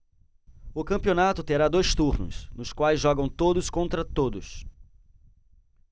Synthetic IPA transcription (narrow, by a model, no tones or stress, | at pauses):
ʊkɐ̃pionat̪ʊt̪eɾad̪ojst̪uɾnʊ̰snʊskwajzʒɔɡɐ̃w̃t̪od̪ʊskõnt̪ɾɐt̪od̪ʊs